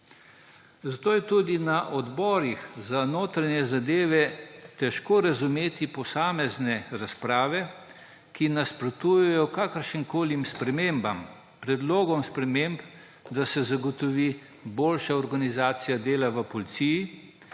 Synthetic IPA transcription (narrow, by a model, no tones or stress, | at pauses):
zat̪oːjɛt̪uːd̪inaʔɔd̪bɔɾixzanoːt̪ɾanjɛzad̪eːʋɛt̪ɛʃkoːɾazumeːt̪ipɔsaːmɛznɛɾaspɾaːʋɛ | kinaspɾɔt̪ujɛjɔkakəɾʃiŋkoːlimspɾɛmeːmbam | pɾɛd̪loːɡɔmspɾɛmemp | d̪asɛzaɡɔt̪ɔʋiː | boːlʃaɔɾɡanizaːt̪sijad̪eːlaʋəpɔlit̪siji